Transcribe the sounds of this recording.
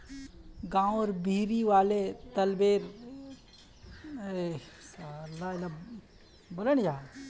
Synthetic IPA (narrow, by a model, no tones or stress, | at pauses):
ɡãːwɔɾbʱiːɾiʋaːlet̪ɐlbeːɾ | eslala | boləɽ̃d͡ʒaː